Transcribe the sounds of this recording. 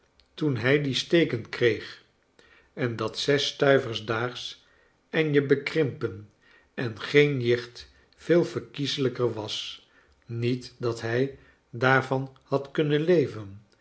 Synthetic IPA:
tunɦɛjdistejkənkrejχ | ɛndɑtsɛstœɥvəɹzdaːχs | ɛnjəbəkrɪmpən | ʔɛnχejnlɪχt | fɪːlˠvəɹkizələkəɹʋɑs | nitdɑtɦɛj | daːɹvɑnhɑtkɵnənlejvən

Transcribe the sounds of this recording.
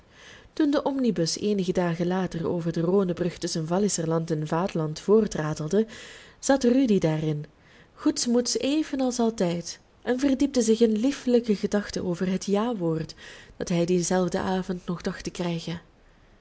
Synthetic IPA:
tundəʔɔmnibɵseːnəɣədaːɣənlaːtəro̰ːvərdəroːnəbrɵxtɵsənvɑlɪsərlɑntɛnvaːtlɑntfoːrtraːdəlˠdəz̥ɑtrydidaːrɪn | χutsmutseːjvənɑlˠsɑlˠtɛjt | ʔɛnvərdip̚dəzɪxɪnlifləkəɣədɑxtəʔoːvərɦətʰjaːʋoːrtd̥ɑtɦɛjdizɛlˠvdə̰ʔaːvɔntnɔxdɑxtəkrɛjɣə

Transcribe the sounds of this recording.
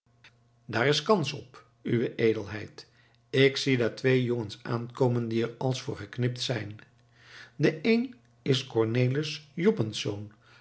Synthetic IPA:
daːɹɪskɑnsɔp | yʋəʔejdəlˠɦɛjt | ɪksidatʋejjoŋənsa̰ːnkowməndiɛɹɑlˠsfʊːɹχəknɪp̚tsɛjn | dəʔejn | ɪskɔɹnejləsjɔbənsown

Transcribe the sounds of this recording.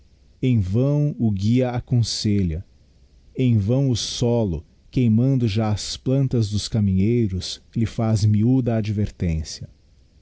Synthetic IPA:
ẽj̃vɐ̃w̃ʊɡiɐakõseʎɐ | ẽj̃vɐ̃w̃ʊsɔlʊ | kejmɐ̃nd̪ʊʒaɐsplɐ̃nt̪ɐzd̪ʊskamĩɲejɾʊslɪfazmiud̪ɐːd͡ʒiveɾt̪ẽsjɐ

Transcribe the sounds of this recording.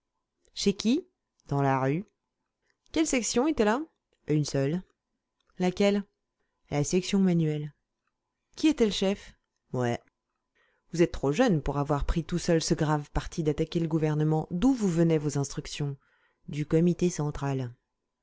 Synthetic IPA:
ʃekʲi | d̪̥ɑ̃laʁy | kʲɛlsɛksjɔ̃et̪ɛla | ynsœl | lakʲɛl | lasɛksjɔ̃manɥɛl | kʲiet̪ɛləʃɛf | mwɛ | vuzɛt̪̚ːχoʒœnpuʁavwaʁpχit̪usœlsəɡʁavpaʁt̪ʰid̪at̪akʲeləɡuvɛʁnəmɑ̃d̪uvuvənɛvozɛ̃st̪χyksjɔ̃ | d̪ykɔmit̪esɑ̃t̪χal

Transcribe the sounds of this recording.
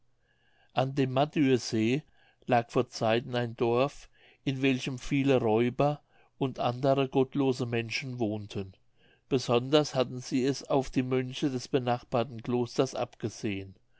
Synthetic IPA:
ʔandeːmːadyːɐzeː | laːkfoːɐt͡saɪtn̩aɪndɔɐf | ʔɪnvɛlçəmfiːləʁɔʏbɐ | ʊntʔandəʁəɡɔtloːzəmɛnʃn̩voːntʰən | b̥əzɔndɐshatn̩z̥iːɛsaʊfd̥iːmʏnçədɛsb̥ənaχb̥aːɐtn̩kloːstɐsʔa̰pɡ̥əz̥eːən

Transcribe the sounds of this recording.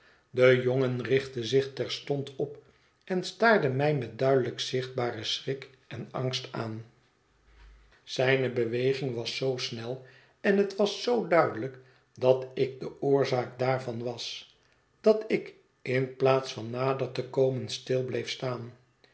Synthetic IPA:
dəjoŋənrɪχtəzɪχtɛɹstɔntɔp | ɛnstaːɹdəmɛjmɛt̚dœɥdələksɪχd̚baːrəsrɪk | ɛnɑŋstaːn | z̥ɛjnəbəʋejχɪŋʋɑsːowsnɛlˠ | ɛnɦətʋɑsːowdœɥdələk | dɑtɪk̚dəʊːɹzaːk̚daːɹvɑnʋɑs | d̥ɑtɪk | ɪnplaːtsfɑnːaːdəɹtəkowmənstɪlˠblejfstaːn

